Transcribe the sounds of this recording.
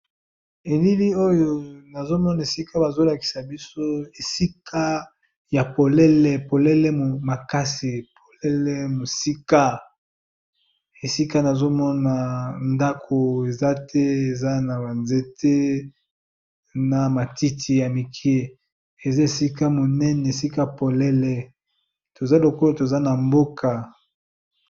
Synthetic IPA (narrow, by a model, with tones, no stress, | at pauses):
e˨li˦li˦o˦jo˨na˨zo˦mɔ˦na˨e˨si˦ka˦ba˨zo˦la˨ki̥˨sa˨bi˦so˦e˨si˦kʰa˦ | ja˨po˨lɛ˦lɛ˨po˨lɛ˦lɛ˦mo˨ma˨ka˦si˨pʰo˨lɛ˦lɛ˦mo˨si˦ka˦ | e˨si˦ka˦na˨zo˦mɔ˦na˨nda˦kʰo˨e˨za˦tʰɛ˦e˨za˦na˨ba˨nze˦tʰe˦ | na˨ma˨ti˦tʰi˨ja˨mi˨kʰi˦e˦ | e˨za˦e˨si˦ka˦mo˨nɛ˦nɛ˨e˨si˦ka˦˨po˨lɛ˦lɛ˨ | to˨za˦lo˨ko˦o˦to˨za˦na˨mbo˦kʰa˨